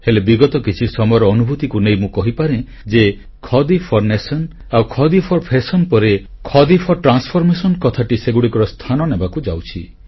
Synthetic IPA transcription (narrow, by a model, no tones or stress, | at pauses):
helebiɡɔt̪ɔkit͡ʃʰisɔmɔjɔɾɔːnubʱut̪ikunejmũkɔɦipaɾẽ | d͡ʒe | kʰɔd̪ipʰɔɾnesɔn | awkʰɔd̪ipʰɔɾpʰesɔnpɔɾekʰɔd̪ipʰɔɾʈɾanspʰɔɾmesɔnkɔt̪ʰaʈiseɡuɽikɔɾɔst̪ʰanɔnebakud͡ʒawt͡ʃʰi